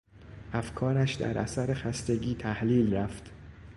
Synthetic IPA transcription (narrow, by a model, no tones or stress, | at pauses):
ʔæfkʰɒːɾæʃd̪æ̰ɾʔæ̰sæɾexæst̪e̞ɡiːt̪ʰæhliːlræft̪